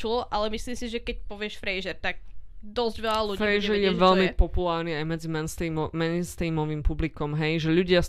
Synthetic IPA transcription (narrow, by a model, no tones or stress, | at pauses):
ulɔʔalɛmislimsiʒɛkɛc̚pɔʋɪɛʃfɾɛjʒɛɾt̪aɡ̚d̪ɔzɟʋɛʎalufɾɛjʒɛɾjɛʋɛʎmipɔpulaːɾniajmɛd͡zimɛnst̪immɛnst̪imɔʋiːmpublikɔmɦɛjʒɛʎuɟɪa